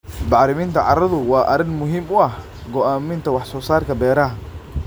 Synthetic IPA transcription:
bɑʕɾɪmiːnt̪ʰɐʕɑɾɐðʊwɑːʔɐɾɪnmʊɦiːmʊɐh | ɡɔʔaːmɪnt̪ʰɐwɑħsɔːsaːrkʰɐbɛːɾɐɦɐ

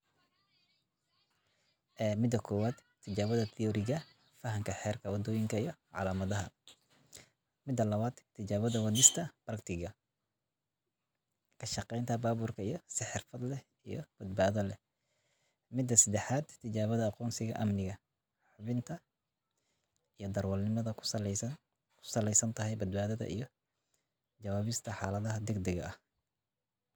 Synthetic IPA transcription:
ʔɛːmɪd̪ɐkʰɔːwaːd̪t̪ʰːɪt͡ʃaːβɐðɐt̪ʰɪɔːɾɪɣɐ | fɐɦɐŋkʰɐħɛːrkʰɐwɑd̪ɔːjɪŋkʰɐijɞʕɑ̰laːmɐðɐɦɐ̰ | mɪd̪ːɐlɐβaːd̪t̪ʰːɪt͡ʃaːβɐðɐwɑðɪst̪ʰɐb̥rɐkt̪ʰɪɣɐ | kʰɐʃɑqɛjnt̪ʰɐbaːβuːrkʰɐijɞsɪħɪrfɐd̪lɛ | ijɞb̥ɐd̪̚baːðɐlɛ | mɪd̪ːɐsɐd̪ɛħaːd̪t̪ʰːɪd͡ʒaːβɐðɐɑqɔːnsɪɣɐ̰ʔɐmnɪɣɐ | ħʊβɪnt̪ʰɐ | ijɞd̪ɐrwɐlnɪmɐðɐkʰsɐls | kʰʊ̥sɐlɛjsɐnt̪ʰɐɦɛjbɐd̪̚baːðɐðɐ̰ʔḭjɞ | d͡ʒɐwaːβɪst̪ʰɐħa̰ːlɐðɐɦɐd̪ɛɡd̪ɛɡɐ̰ɐh

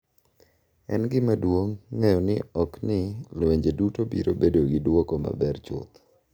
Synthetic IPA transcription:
ɛ̰nɡɪmadwoŋːejɔnɪɔknɪlweɲd͡ʒedutobḭɾobedoɡɪdwokoma̰bɛrt͡ʃʊ̰t̪

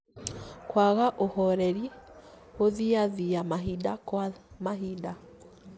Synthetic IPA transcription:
kwaɣaʔohɔɾɛɾi | oðiaðijamaɦidakwamaɦida

